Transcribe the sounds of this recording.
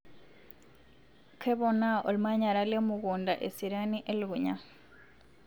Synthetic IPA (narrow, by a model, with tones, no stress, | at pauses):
kʰɛ˦βɔna˦o˨lma˦ɲa˨ɾa˦le˦muɣunda˨ʔe˨si˨ɾaniʔe˦lɡuɲa˨